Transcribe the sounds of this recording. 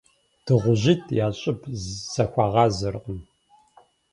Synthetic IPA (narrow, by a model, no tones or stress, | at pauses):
tʰɨʁʷʊʑitʰjaːɕʼɪpʰz̥ɐxʷɑːʁɑːzɨrqəm